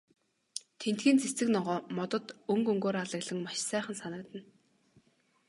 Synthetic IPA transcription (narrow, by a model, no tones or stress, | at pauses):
t̪ʰen̥t̪ɡiːnt͡sʰet͡sɘ̆knɔʁɔːmɔt̪ɞ̆t̪ɵŋkɵŋɡoːɾaɮə̆ɣɮə̆ŋmaʃsæːχə̆nsanə̆k̚t̪ə̆n